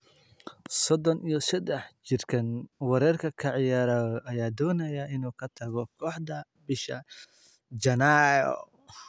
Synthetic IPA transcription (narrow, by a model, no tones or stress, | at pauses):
sɔd̪ɔnʔijɔsɛd̪ɛħt͡ʃɪrkʰɐnwɑɾɛːrkʰɐkʰɐʕɪjaːɾɐːðɔʔɐjaːd̪ɔːnɐjɐɪnuːkʰɐt̪ʰɐɣɔkʰɔːħd̪ɐ | bɪʃɐ | d͡ʒɐnaɔ̰